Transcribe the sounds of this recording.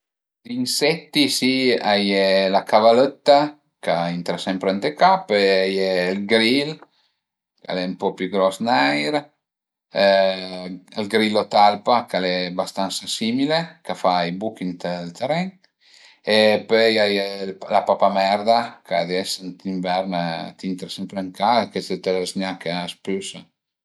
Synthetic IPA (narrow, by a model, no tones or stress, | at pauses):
d̪insɛt̪ːisiajelakavalət̪ːa | kaint̪ɾasɛmpɾeant̪ekapøjajelɡɾil | ka̰lɛumpɔpjuɡɾɔsnajɾ | lɡɾilot̪alpakalɛbast̪ansasimilekafajbukint̪elt̪eɾɛŋ | epøjajellapapamɛɾd̪akad̪ɛsent̪iɱvɛɾnt̪int̪ɾasɛmpɾeŋkaeket̪et̪elesɲakespysa